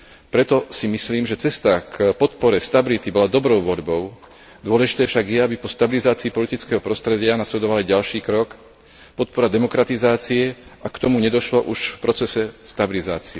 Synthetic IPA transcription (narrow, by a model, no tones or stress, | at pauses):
pɾɛt̪ɔsimisliːmʒɛt͡sɛst̪akpɔt̪̚pɔɾɛst̪abilit̪ibɔlad̪ɔbɾɔʊʋɔʎbɔʊ | d̪ʊɔlɛʒit̪ɛːfʃaɡjɛabipɔst̪abilizaːt͡siːpɔlit̪it͡skɛːɦɔpɾɔst̪ɾɛɟɪanaslɛd̪ɔʋaliɟalʃiːkɾɔk | pɔt̪̚pɔɾad̪ɛmɔkɾat̪izaːt͡siɛʔakt̪ɔmuɲɛd̪ɔʃlɔʔuʃfpɾɔt͡sɛsɛst̪abiliza̰ːt͡siɛ